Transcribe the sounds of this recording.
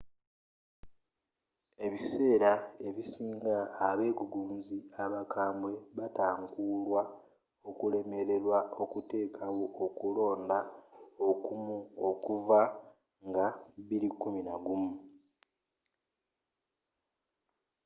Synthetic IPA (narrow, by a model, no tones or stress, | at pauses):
e̞βise̞ːɾae̞βisiːŋɡaːβe̞ːɡuɡuːnziaβakʰaːmbwe̞βataːŋkulwa | o̞kule̞me̞ɾe̞ɾwao̞kute̞ːkʰawookulo̞ːndaokumuokuva | ŋɡaβilikːuminaɡumu